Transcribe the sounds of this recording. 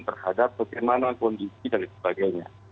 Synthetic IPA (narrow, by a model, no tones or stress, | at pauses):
t̪ərhadapːaɡɛjmanakɔndisidalisə̥baɡajɲa̰